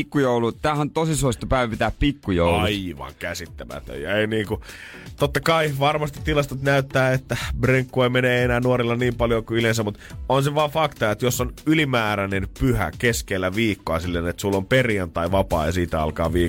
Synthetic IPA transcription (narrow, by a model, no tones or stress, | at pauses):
kːujoulut̪æːhænt̪osisoist̪opæiʋpit̪æːppikːujo̰ulɑuiʋɑ̰ŋkæsit̪ːæmæ̰t̪ø̰jjɑ̰einiːŋku | t̪ot̪ːɑkɑiʋɑrmɑst̪i̥t̪ːilɑst̪ot̪næyt̪ːæːet̪ːæbreŋkːueimeneenæːnuoɾilːɑniːmpɑljokuylensæmut̪onseʋɑːfɑkt̪ɑet̪josːonylimæːɾænenpyhæ̰keskelːæʋiːkːoɑ̰silːenet̪sulːomperjɑnt̪ɑiʋɑpɑ̰ːjɑsiːt̪æɑ̰lkɑ̰ːʋiː